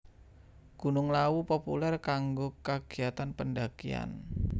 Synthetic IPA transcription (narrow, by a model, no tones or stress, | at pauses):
ɡ̥ṳnʊŋlawupopṵlɛrkaŋɡokaɡ̥i̤at̪anpəndakia̰n